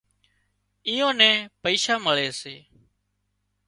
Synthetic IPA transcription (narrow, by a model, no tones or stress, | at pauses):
iːõːnɛ̃ːpəiːʃaːməɭeːseː